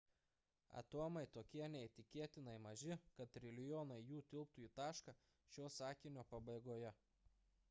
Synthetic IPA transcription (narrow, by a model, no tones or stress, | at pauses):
ɐ̰t̪oɔmɐɪt̪oːkʲiɛnʲɛɪt̪ʲɪkʲeɛt̪ʲɪnɐɪmɐʒʲɪkɐt̪ɾʲɪlʲɪjɔːnɐɪjuːt̪ʲɪlˠp̚t̪ʊiːt̪ɑːʃkɑ | ʃʲoːsɑːkʲɪnʲoːpɐbɐɪɡoːjɛ